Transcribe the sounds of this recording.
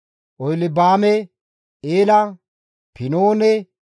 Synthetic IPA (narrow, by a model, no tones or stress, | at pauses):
ʔɔjlɪbaːmɛ | eːlɐ | pɪnoːnɛ